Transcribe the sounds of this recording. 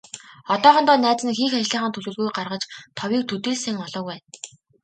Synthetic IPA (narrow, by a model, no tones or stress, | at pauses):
ɔt̪ɔːχɞ̆nt̪ɔːnæːt͡sɘ̆nxiːxat͡ɕɮiːχə̆nt̪ʰɵɮɵ̆ɮɣujɢarʁə̆t͡ɕt̪ʰɔwiːk̚t̪ʰɵt̪eːɮsĕŋɔɮɞ̆ːkwæːn